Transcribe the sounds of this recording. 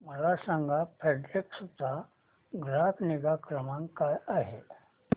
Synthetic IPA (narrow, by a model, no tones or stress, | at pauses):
məlasãŋɡʱapʰeɖɾeksut̪ːa | ɡɾakniɡakɾəmãŋkkajaɦe